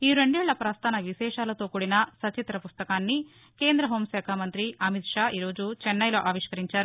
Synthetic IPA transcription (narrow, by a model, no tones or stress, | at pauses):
iːɾeɳɖɛːɭːɐpɾaːst̪ʰaːnɐʋisɛːʂaːlɐt̪o̞ːkuːɽinɐsɐt͡ʃit̪ɾɐpust̪ɐkaːnːi | ke̞ːnd̪ɾɐɦo̞ːmsɛːkʰaːmɐnt̪ɾiɐmit̪ʂaːʔiːɾo̞ːd͡ʒut͡ʃɛnːɐjlo̞ːʔaːʋiʂkɐɾiɲt͡ʃaːɾu